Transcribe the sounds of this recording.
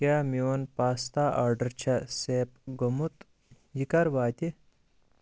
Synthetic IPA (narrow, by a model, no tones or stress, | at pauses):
kaːmiwɐnpaːst̪aːʔaːɾɖɐɾt͡ʃʰɐseːpɡɐmut̪ | jikɐɾʋaːt̪e